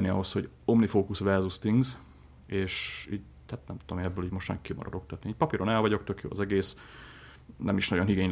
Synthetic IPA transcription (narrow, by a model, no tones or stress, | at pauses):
niɒ̰ɦosho̞ɟ | o̞mnifoːkusʋɛrzust̪iŋɡz | eːʃiːɟ | hat̪nɛ̰mt̪u̥t̪omeːnɛbːøːliːɟmo̞ʃt̪ɛ̰ŋkːimɒ̰ɾɒ̰d̪okt̪ɒt̪niiːc̚pɒpiɾo̞nɛlvɒɟo̞k̚t̪økjo̰ːɒ̰zɛɡeːs | nɛmiʃnɒɟo̞nɦiɡeːɲ